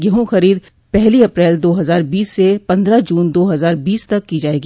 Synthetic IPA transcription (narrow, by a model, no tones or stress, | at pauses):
ɡɐɦõxɐɾiːd̪ | pɛɦliɐpɾɛːld̪oːɦɐzaːɾbiːsːepɐ̃nd̪ɾad͡ʒuːnd̪oːɦɐzaːɾbiːst̪ɐkːid͡ʒaːeːɡi